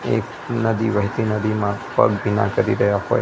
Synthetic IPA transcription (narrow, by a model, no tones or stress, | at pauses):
ḛk | nəd̪iʋəɦt̪inəd̪imãpə̰ɡbʱina̰kəɾiɾəɦjaɦo̰j